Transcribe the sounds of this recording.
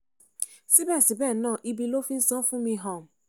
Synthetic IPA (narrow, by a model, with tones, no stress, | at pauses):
si˦bɛ˦˨si˨bɛ˦˨nãː˦˨ʔi˦bi˧˦lo˦fĩ˦n̩˦sɔ̃˦fũ˦mĩ˧˦ɦɔ̃˦˨m̩˨